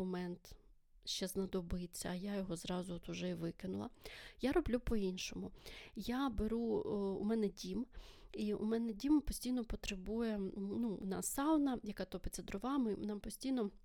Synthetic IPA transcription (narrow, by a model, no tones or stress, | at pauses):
ɔmɛnt̪ | ʃt͡ʃɛznɐd̪ɔbɪt͡sʲːɐ̰ːjajɔɦɔzɾɑzʊɔt̪ʊʒɛiʋɪkɪnʊlˠɐ̰jaɾɔblʲupɔinʃɔmʊjabeɾuṵmɛnɛdʲimiṵmɛnɛdʲimpɔsʲtʲijnɔpɔt̪ɾebujɛnunɑ̰sːɑwˠnɐjɐkɑt̪ɔpɪt̪ʲt͡sʲɐd̪ɾʊʋɑmɪnɑmpɔsʲtʲijnɔ